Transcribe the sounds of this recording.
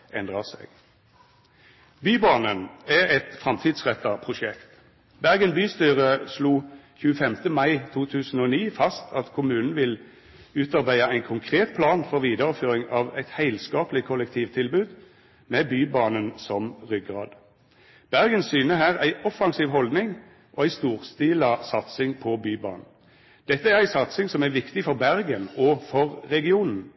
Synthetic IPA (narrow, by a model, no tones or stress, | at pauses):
ʔɛnd̪ʁɑsɛ̰ɡ̥ | byːbɑːnənæʁɛt̪fʁɑmt̪ʰiːd̪sʁɛt̪ːɑpʰʁʊʃɛkt̪ | bæʁɡənbyːst̪yːʁəsluːçʉːəfɛmt̪əmɑɪt̪ʰuːt̪ʰʉːsn̩oːniːfɑst̪ʰɑt̪kʰʊmʉːnn̩ʋɪl | ʉːt̪ɑʁbæɪɑæɪnkʰʊŋkʰʁeːt̪̚pʰlɑːnfɔʁʋiːd̪ɑʁəføːʁɪŋɑːʋæɪt̪hæɪlskɑːplɪkʰɔlɛk̚t̪ʰiːʋt̪ʰɪlbʉːd̪ | mɛbyːbɑːnənsɔmʁʏɡʁɑ̰ːd̪ | b̥æʁɡənsyːnəɦæːʁæɪʔɔfɑŋsiːʋɦɔld̪nɪŋ | ʔɔæɪst̪uːʁst̪iːlɑsɑt̪sɪŋpʰɔbyːbɑ̰ːnn̩ | d̪̥ɛt̪ːəæʁæɪsɑt̪sɪŋsɔmæʁʋɪkt̪ɪfɔʁbæʁɡənɔfɔʁʁɛɡɪuːnn̩